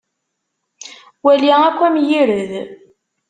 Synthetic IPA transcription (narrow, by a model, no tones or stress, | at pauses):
wæliækʷːæmjiɾəð